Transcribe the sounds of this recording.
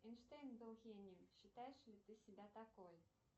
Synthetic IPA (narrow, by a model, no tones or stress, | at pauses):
ɛnʂt̪ejnbɨlˠɣʲenʲimɕɨt̪ajɛʂlʲit̪ɨsʲibʲat̪akoj